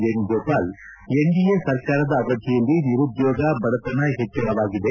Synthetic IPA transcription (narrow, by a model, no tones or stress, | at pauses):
d͡ʒenɡoːpaːl | eŋɡijesɐɾkaːɾɐd̪ɐːɡɐd̪ʱjɛjɐlːiniɾud̪joːɡɐbɐɽɐt̪ːɐnɐɦet͡ʃːɐnɐʋaːɡid̪e